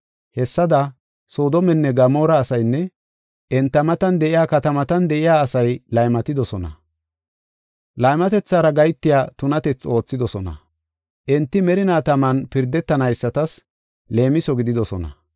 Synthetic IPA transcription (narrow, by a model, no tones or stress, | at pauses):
hɛsːɐd̪ɐ | so̞ːd̪ɔmɛnːɛɡɐmo̞ːɾɐːsɐjnːɛ | ʔɛnt̪ːɐmɐt̪ɐnd̪ɛʔɪjaːkɐt̪ɐmɐt̪ɐnd̪ɛʔɪjaːsɐjlɐjmɐt̪ɪd̪ɔsɔnɐ̰ | lɐjmɐt̪ɛt͡sːaːɾɐɡɐjt̪ːɪjaːt̪ʊnɐt̪ɛt͡sːo̞ːt͡sːɪd̪ɔsɔnɐ̰ | ʔɛnt̪ːɪmɛɾɪnaːt̪ɐmɐnpɪɾd̪ɛt̪ːɐnɐjsːɐt̪ɐs | le̞ːmɪsɔɡɪd̪ɪd̪ɔsɔnɐ̰